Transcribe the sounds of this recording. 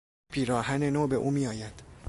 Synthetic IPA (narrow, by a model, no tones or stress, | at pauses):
pʰiːɾɒːɦænenoːbe̞ʔuːmiːjɒːjæd̪̥